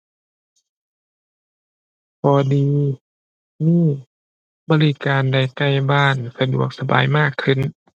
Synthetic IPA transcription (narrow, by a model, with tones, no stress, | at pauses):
kɔː˧˦diː˨˧ | miː˧˥˩ | bɔː˧˦li˦˧˩kaː˨nda˧˩jka˥˩jbaː˥˩nsa˧du˨˩ək̚sa˧ba̰ː˨jmaː˥˩kʰːɯ˧˥˨n